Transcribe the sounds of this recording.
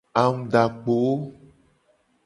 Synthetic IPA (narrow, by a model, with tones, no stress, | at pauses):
a˨ŋũ˦ɖa˨k͡po˨˦